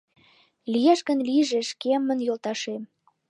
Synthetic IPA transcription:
lijæʃɣə̆nliʒeʃkemːənjolt̪ɑʃem

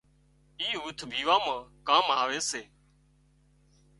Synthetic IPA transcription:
iːuːt̪ʰbʱiːʋaːmãːkaːmɦaːʋeːseː

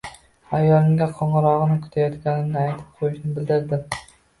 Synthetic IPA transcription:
ajːɒlˠɪŋɡʲaqʰɒɴɨɾɒʁɨnɪkʰʊ̥t̪ʰajɒt̪kʲanɪnɪajt̪ʰɪ̥p̚qʰojɪʃnɪbɪld̪ɪɾd̪ɪ

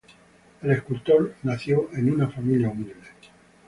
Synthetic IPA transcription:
ele̞hkult̪o̞ɾnaθjoʔe̞nunafamiljaumild̪e

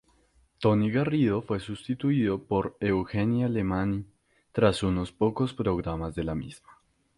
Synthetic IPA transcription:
t̪o̞niɣariðo̞fwe̞sust̪it̪uiðo̞po̞ɾe̞wxe̞njale̞mani | t̪ɾasuno̞spo̞ko̞spɾo̞ɣɾamazðe̞lamiz̥ma

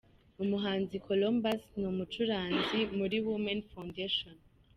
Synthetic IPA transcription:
umuɦaːnzikʰolombasnumut͡ʃuɾaːnzimuɾiwimanfawndeʃon

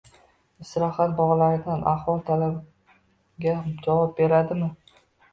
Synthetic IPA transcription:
ɪsɾɑhat̪̚bɒʁlaɾɪd̪anʔaχwɒlˠt̪ʰalab | ɡʲad͡ʒavɒp̚be̞ɾad̪ɪmɪ

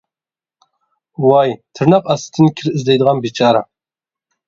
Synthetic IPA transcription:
wajt̪ʰɨɾnaqasɨ̥t̪ʰɨnkʲʰɪɾɨzd̪ejd̪əʁɑnbit͡ʃʰaɾa̰

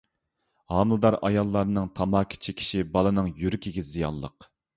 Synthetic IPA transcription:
hɑːmɨlˠɨd̪ɑɾɑ̰jɑlˠːɑɾnɨŋt̪ʰɑmɑːkʲʰi̥t͡ʃʰikʲʰi̥ʃibɑlˠɨnɨŋjyɾkʲʰiɡʲɛzijɑ̰nlˠə̰q

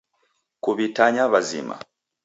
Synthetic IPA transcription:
kuβitaɲaβazḭma̰

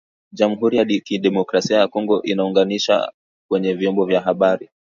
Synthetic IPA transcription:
ʄamuɦuɾijaɗkiɗɛmɔkɾasiajakɔŋɡɔʔinauŋɡaniʃa̰ | kwɛɲɛvjɔmbɔvjaɦaɓaɾi

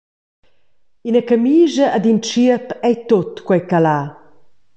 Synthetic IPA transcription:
inəkəmiːʒəʔad̪int͡ʃiəpɛjt̪ot̪kwɛjkalaː

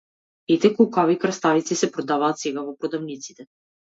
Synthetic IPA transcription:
t̪it̪ɛkɔlˠkavikɾast̪avit̪sisɛpɾɔd̪avaːt̪sɛɡavɔpɾɔd̪avnit̪si̥t̪ɛ

